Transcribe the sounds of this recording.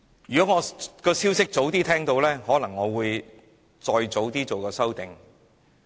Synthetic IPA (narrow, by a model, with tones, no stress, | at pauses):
jyː˨kɔː˨˥ŋɔː˨˧kɔː˧siː˥wsɪ˥k̚t͡so˨˥wt̪iː˥t̪ʰɛː˥ŋt̪o˧wlɛː˥hɔː˨˥lɐ˨˩ŋːɔː˨˧wuː˨˧j | t͡sɔː˧jt͡so˨˥wt̪iː˥t͡so˨wkɔː˧sɐ˥wt̪ɪ˨ŋ